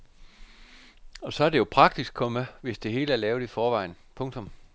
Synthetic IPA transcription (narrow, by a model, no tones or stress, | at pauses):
ɒ̽sɒ̽æɐdejo̝pʰʁɑ̈ɡ̥̚d̥isɡ̥ʰɒ̽mæʋe̝sd̥e̝ɦe̝̰ːləæɐlɛːʊð̩ˠifɒːʋɑ̈ɪ̰n̩pʰɔ̽ŋt͡sʰɔ̽m